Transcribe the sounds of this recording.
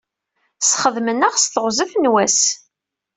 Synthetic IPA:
sχəðmənəʁst̪əʁzəfnwæs

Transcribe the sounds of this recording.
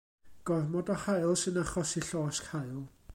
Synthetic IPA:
ɡ̥ɔrmɔdɔhajlˠsɨnaχɔsiɬɔːskhajlˠ

